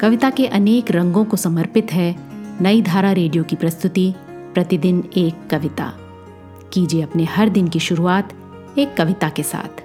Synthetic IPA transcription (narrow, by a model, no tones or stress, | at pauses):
kɐʋɪt̪akeʔɐneːkɾɐ̃ŋɡõkosɐməɾpɪt̪ɦɛnɐid̪ʱaːɾaɾeːɖijokipɾɐst̪ʊt̪i | pɾɐt̪ɪd̪ɪneːkːɐʋɪt̪a̰ː | kiːd͡ʒieɐpnehɐɾd̪ɪnkiʃʊɾuaːt̪ | eːkːɐʋɪt̪akesa̰ːt̪ʰ